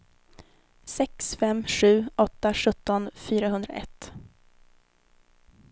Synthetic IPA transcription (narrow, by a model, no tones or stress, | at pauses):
sɛksfɛmːɧʉ̟ːɔt̪ːaɧɵt̪ːɔnfyːɾaɦɵnd̪ɾa̰ʔɛ̰t̪ː